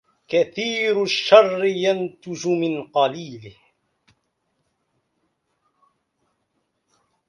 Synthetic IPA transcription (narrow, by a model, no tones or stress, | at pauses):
kaθiːɾʃːɑrˤːɪjant̪ʊd͡ʒʊmɪnqɑliːlɪh